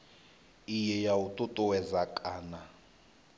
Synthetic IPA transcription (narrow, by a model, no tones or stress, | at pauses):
ijɛjautʼutʼɔwɛzakʼaːna